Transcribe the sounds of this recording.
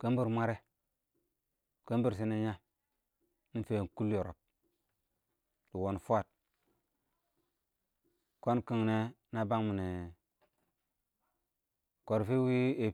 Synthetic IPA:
kə˦m˦bi˦ɾmʷa˦ɾe˦ | kə˦mbi˦˨ɾs̬i˦ni˦ɲa˦ | ni˦fe˨ku˦ljo˨ɾo̰˨p̚ | di˨wo˨nfu˦a˦˨t̚ | ko˦nki˨ŋne˦na˦ba˦ŋmu˨ne˨ | ko˨ɾfi˦wi˦e˨

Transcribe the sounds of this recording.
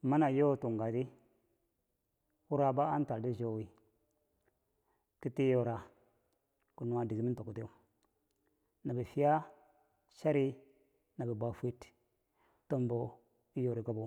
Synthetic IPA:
ma˦na˨jo˦˨tu˨ŋɡa˨di˦ | wu˦ɾa˦ba˦a˦n˦ta˨di˦d͡ʒo˦˨wi˦ | ki˦ti˦jo˦ɾa˨ | ku˨nu˨a˨di˨ɡi˦mi˦nto˨ku˨te˦u˦ | na˨bi˨fi˦a˦ | ʃa˦ɾi˦ | na˨bi˨ba˨fi˦t | to˦mbo˦ | i˦jo˨ɾi˨ɡa˦bo˨

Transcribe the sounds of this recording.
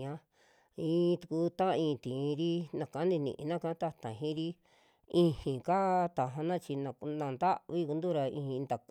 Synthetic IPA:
ɲã˦ | ĩː˧˦˧t̪u˧ku˧˦t̪ã˦˧ĩː˧t̪ĩ˨˧ɾi˦nã˧kã˨˦nĩ˧nḭ̃˧ʔnã˦kã˧˦t̪a˦˧t̪ã˨ɦĩ˦ɾi˦ | ĩ˦˧hĩ˨ka˦t̪a˨ɦã˧nã˦t͡ʃi˧nã˧nã˧nd̪a˦ʔβi˦ku˧nd̪u˦ɾa˧ḭ̃˧ĩ˧nd̪a˨

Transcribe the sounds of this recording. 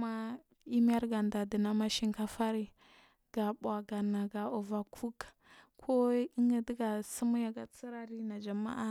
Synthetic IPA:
ma˦ | i˦m˦a˦ɾɡa˨nda˨di˨na˦ma˦ʃi˦ŋka˦fa˦ɾi˦ | ɡ̥a˨ɓa˨ɡa˨na˨ɡa˨o˨va˨kʰu˦kkʰo˦i˦ŋɡa˦di˦ɡa˨sə˦mu˦ja˨ɡa˨t͡si˦ɾa˦ɾi˦na˨d͡ʒa˨ma̰˦ʔa˦

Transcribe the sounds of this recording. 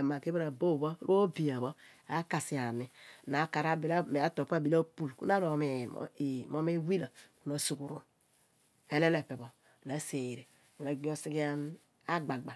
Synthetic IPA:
ma˨ke˦ba˦ɾa˨bo˦˨bo˦ɾʔu˦o˦bi˨a˨βo˦ | a˦ka˨si˨a˨mi˨na˨˦ka˨ɾa˦bi˨la˦me˨a˦to˨pa˦˨bi˦la˦pu˦˨lkṵ˦na˦ɾo˨mḛ˨i˨mo˦me˦wi˦la˨ku˦na˨su˨ku˨ɾu˨n | e˦le˦le˨pe˨bo˨ | na˦se˨ɾe˨ | u˨na˨ɡ͡bi˦o˦si˦ki˦a˦n | a˦ɡ͡ba˨ɡ͡ba˨

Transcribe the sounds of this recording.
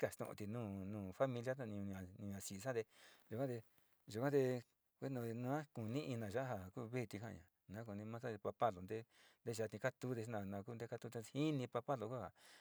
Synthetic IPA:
ka˧˨ʂt̪õ̰˧ʔt̪i˧nũː˦˨nũː˨fa˦mĩ˧lja˦a˧ñ˧ɲã˨ñ˧ɲã˨si˨˧sã˦d̪e˧ʒu˧kã˦d̪e˧ | ʒu˧kã˦d̪e˧ | kʷe˦nõ˧nũ˧ã˦ku˨nĩ˦ʔi˧nã˨ʒa˦ha˨ku˦βe˦˨˧t̪i˧kã̰˧˨ã̰˨nã˨˦k̬u˨nĩ˧mã˦sã˦e˧pa˧pa˦lo˨nd̪e˦nd̪e˦ʒa˧t̪ĩ˧ka˦t̪u˦ðe˧ʃnã˧˨nã˨˧k̬u˦˧nd̪e˧ka˧t̪u˧t̪e˧hi˦nĩ˧pa˧pa˦lo˧ku˦ha˨

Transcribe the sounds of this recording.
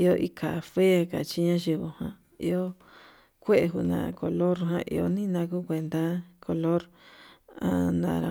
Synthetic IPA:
i˧o˦˧ʔi˧kʰa˨fe˦ka˨t͡ʃi˧˦ɲã˦ʒi˧βo˨hã˧ | ḭ˧o˦ | kʷe˦ʔe˧ɦu˧nã̰˨˧ko˨˧lo˦ɾɦã̰˧ʔḭ˧o˧˦nĩ˦nã˧ku˦kʷe˧nd̪a˦kʰo˨lo˦ɾ | a˧nã˨ɾa̰˧

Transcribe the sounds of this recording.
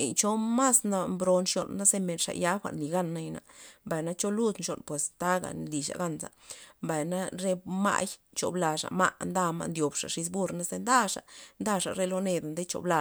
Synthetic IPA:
t͡ʃo˦ma˦sna˧mbɾo˧nʂjo̰˨nːa˦ze˧me˨nʂa̰˨ja˦xʷa̰˨ʔnli˨ɡa˦nːa˧jna̰˨mba˨jna˦t͡ʃo˦lu˦˧d̪nʃo̰˨npwe˨st̪a˦ɡa̰˨nli˨ʃa̰˨ɡa˦nsa̰˨mba˨jna˦ɾe˦ma̰˦j | t͡ʃo̰˨bla˨ʂa̰˨ma˦ʔnd̪a˦˧ma̰˧nd̪jo˨bʂa̰˨ʂi˧s̬bu˦ɾna˦ze˧nd̪a˦ʂa̰˨nd̪a˦ʂa˨ɾe˦lo˧ne˧d̪a˨nd̪e˦t͡ʃo̰˨bla˧

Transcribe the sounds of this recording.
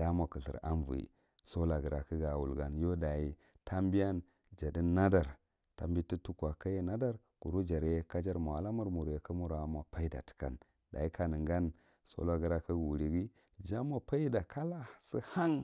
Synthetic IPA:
d̥a˦ma˨kə˨ɬḭ˨ɾa̰˦nvṵ˨ḭ˨ | so˦la˨ɡə˨ɾa˨kə˦ɡa˨wṵ˨lɡa˦njo˦da˨ji˦ | ta˦mbi˦ja˦n | d͡ʒa˨di˦na˦da˨ɾ | ta̰˨mbi˦ti˦tu˦kʷa˨ka˦je˦na˦da˦ɾ | ɡ̥u˨ɾu˦d͡ʒa˨ɾe˦ka˦d͡ʒa˦ɾma˨a˨la˦mu˦ɾmu˨ɾje˨ka˦mu˦ɾa˨ma˨pa˦i˦da̰˨ti̥˨ka̰˨n | da̰˨i˦ka˨nə˨ŋɡa˦n | so̰˦la˦˨ɡə˨ɾa˦kə˦ɡwu˨ɾi˨ɡi˦ | d͡ʒa˦ma˨pa˦i˦da˨ka˦la˦si˦ha˦ŋ

